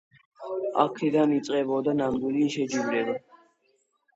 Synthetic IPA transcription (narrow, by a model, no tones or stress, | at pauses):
a̰kʰɛd̪anit̪sʼqʼɛbɔd̪ananɡ̪uliʃɛd͡ʒivlɛd̪a